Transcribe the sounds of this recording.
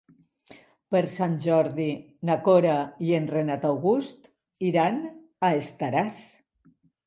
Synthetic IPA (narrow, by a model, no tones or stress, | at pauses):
pəɾsanʲʒɔɾði | nakoɾaienrenat̪awɣust̪ | iɾan | aest̪aɾas